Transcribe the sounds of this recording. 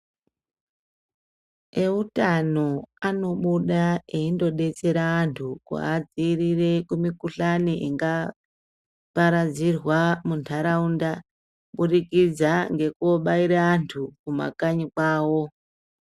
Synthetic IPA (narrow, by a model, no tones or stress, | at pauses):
e̞utano̞ano̞ɓuɗaeindo̞ɗe̞t͡se̞ɾaːntʰukṵad͡zirire̞kumikuɬaniʔiŋɡa | paɾad͡zirwamuntʰaɾaunda | ɓuɗikid͡zaŋɡe̞kuoɓaiɾaːntʰukuma̰kaɲikwaːwo̞